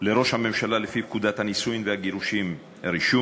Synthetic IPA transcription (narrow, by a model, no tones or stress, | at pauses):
le̞ɾo̞ʃhame̞mʃalalefip̚kud̪at̪hanisujimvehaɡiɾuʃim | ɾiʃu